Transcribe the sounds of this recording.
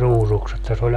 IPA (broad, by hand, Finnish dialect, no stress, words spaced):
ruːsuks etːæ se olʲ